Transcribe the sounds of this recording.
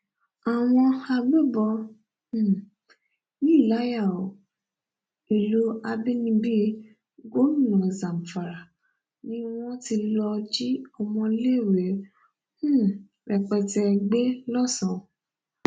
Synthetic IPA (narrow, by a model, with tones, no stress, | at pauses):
a˨w̃ɔ̃˧a˧ɡ͡be˦˨bɔ˧˦˨ | nĩ˦i˦˨la˨˦ja˦˨o˨ | i˨lo˨˦a˧bi˦nĩ˧bi˦ | ɡo˦lu˦˨nã˨zã˨m̩˨fa˨ɾa˨ | nĩ˦w̃ɔ̃˦ti˧lɔ˧d͡ʒi˦ɔ˧mɔ̃˧le˦˨wẽ˨˦˨ | ɾɛ˨k͡pɛ˧tɛ˧ɡ͡be˦lɔ˦˨sã˨